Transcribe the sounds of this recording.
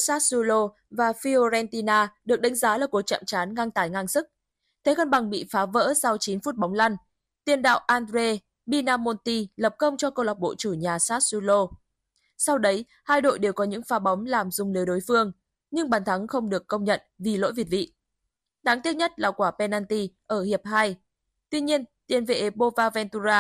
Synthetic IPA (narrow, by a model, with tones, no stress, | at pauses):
saː˦˥t̚su˧lo˧ | vaː˨˩fi˧o˧zɛ˧nt̪i˧naː˧ɗɨ˨˩ək̚ɗa˨˦ŋ̟zaː˨˦laː˨˩ku˨˩ək̚t͡ɕa̰˧˨mt͡ɕaː˨˦nŋa˧ŋt̪aː˨˩jŋa˧ŋsɨ˦˥k̚ | t̪ʰe˨˦kə˧nɓa˨˩ŋɓḭ˧˨faː˨˦və̰ː˧˥sa˧wt͡ɕi˨˦nfu˦˥t̚ɓɔ˨˦wŋ͡mla˧n | t̪i˧ənɗa̰ː˧˨wʔaː˧ndɾe˧ | ɓi˧naː˧mo˧nt̪i˧lə˨˩p̚kə˧wŋ͡mt͡ɕɔ˧kə˧wla˨˩wk͡p̚ɓo̰˧˨t͡ɕu˧˩ɲaː˨˩saː˦˥t̚su˧lo˧ | sa˧wɗə˨˦j | haː˧jɗo̰˧˨jɗe˨˩wkɔ˨˦ɲɨ̰˧˥ŋfaː˨˦ɓa˨˦wŋ͡mlaː˨˩mzʊ˨˩ŋ͡mli˨˦jɗo˨˦jfɨ˧əŋ | ɲɨ˧ŋɓaː˨˩nt̪ʰa˨˦ŋxə˧wŋ͡mɗɨ˨˩əkːə˧wŋ͡mɲə̰˧˨nvi˨˩lo̰˧˥jvi˨˩ət̚vḭ˧˨ | ɗaː˨˦ŋt̪i˦˥ət̚ɲə˦˥t̚laː˨˩kwaː˧˩pɛ˧naː˧nt̪i˧ʔəː˧˩hi˨˩əp̚ha˧j | t̪wi˧ɲi˧ənt̪i˧˩ənve˧ʔe˨˦ɓo˧vaː˧vɛ˧nt̪u˧zaː˧